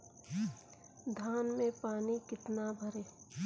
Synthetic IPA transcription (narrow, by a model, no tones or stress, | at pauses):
d̪ʱaːnmẽpaːnikɪt̪nabʱəɾeː